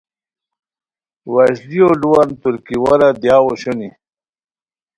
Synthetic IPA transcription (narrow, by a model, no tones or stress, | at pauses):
wɐɕlioluwant̪uɾkiwɐɾad̪jaːwoɕoni